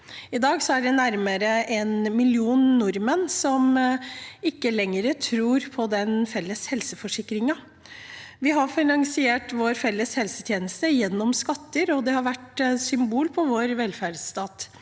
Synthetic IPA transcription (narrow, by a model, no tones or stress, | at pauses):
ɪd̪ɑːɡsɔæɖɛnæɾməɾəʔɛnmɪljuːnːʊɾmənsɔm | ɪkːəlɛŋːəɾət̪ʰɾuːɾpʰɔd̪ɛnfɛlːəshɛlsəfɔʂɪkːɾɪŋɑ | ʋɪɦɑɾfɪnɑŋsɪeːʈʋoːɾfɛlːəshɛlsət̪ʰjeːnəst̪əjɛnːɔmskɑt̪ːəɾɔd̪ɛhɑɾʋæʈsʏmbuːlpʰɔʋoːɾʋɛlfæɖst̪ɑːt̪